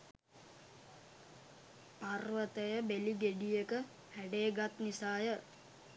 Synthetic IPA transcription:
parʋət̪əjəbeliɡeɖijekə | hæɖeːɡat̪nisaːjə

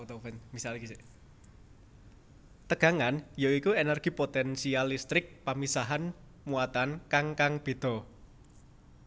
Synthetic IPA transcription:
t̪ofɛnmisalikise | t̪əɡ̥a̤ŋanjoikuenərɡ̥i̤pot̪ɛnsialist̪ɾɪk̚pamisaɦan | muat̪ankaŋkaŋb̥e̤d̪̥ɔ̤

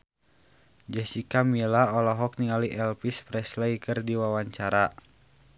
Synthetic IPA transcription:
d͡ʒɛsikamilaɔlɔɦɔk̚niŋaliʔɛlpispɾɛslɛikɨrdiwawaɲt͡ʃaɾa

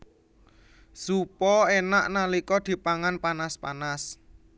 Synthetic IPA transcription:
supɔenaʔnalikɔd̪̥i̤paŋanpanaspanas

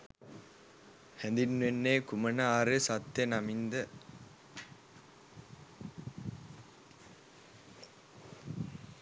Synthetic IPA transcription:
hɛnd̪inːʋenːeːkumɐnɐaːɾesat̪ːenɐmind̪ə

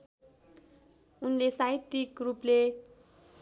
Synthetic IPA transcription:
unlesait̪ːikruple

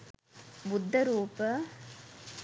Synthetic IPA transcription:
bud̪ʱːɐɾuːpə

